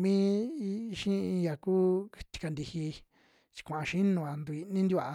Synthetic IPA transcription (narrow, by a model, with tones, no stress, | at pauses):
mĩ˦˧ | ʃĩ˦ĩ˧ja˨kuː˦t̪i̥˧ka˧nd̪i˧hi˧ | t͡ʃi̥˧kʷã˨ʔã˧ʃĩ˦nũ˧˨a˨nd̪u˧i˧nĩ˦nd̪i˦a˧˨˧